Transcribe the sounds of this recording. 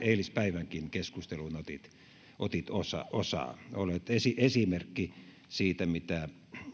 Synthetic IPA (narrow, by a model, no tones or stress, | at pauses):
eilispæiʋæŋkinkeskust̪elunot̪it̪ | ʔot̪it̪osɑ̰osɑ̰ːˑolet̪esiʔesimerkːi | siːt̪æmit̪æ